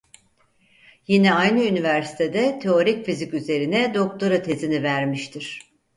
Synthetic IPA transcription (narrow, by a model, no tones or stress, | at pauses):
jinɛajnɯynivæɾsi̥t̪ʰe̞d̪ɛt̪ʰe̞o̞ɾicfizicʲyze̞ɾinɛd̪o̞k̚t̪ʰoɾat̪ʰe̞zinivæɾmiʃt̪ʰiɾ̥